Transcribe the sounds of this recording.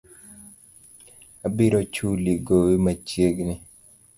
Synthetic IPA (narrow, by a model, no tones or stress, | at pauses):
abɪɾot͡ʃuliɡowimat͡ʃjeɡnɪ